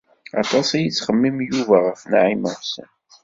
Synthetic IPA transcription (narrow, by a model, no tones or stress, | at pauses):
ɑ̰t̪ˤɑsæjit͡sːχəmːimjuvæʁəfnʕiməʁsə̰n